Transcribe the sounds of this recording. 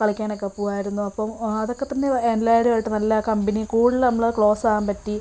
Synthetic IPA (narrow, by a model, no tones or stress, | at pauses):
kɐɭɐkʲːaːnokːepːuʋaːjiɾunːuɐpːɐmɐðo̞kːe̞t̪ːɐnːeenlaːjiɽiaːjɻʈːɨnɐlːɐkɐmbɐnikuːɽilnɐmːɐɭɐkɭo̞ːsaːampɐtːi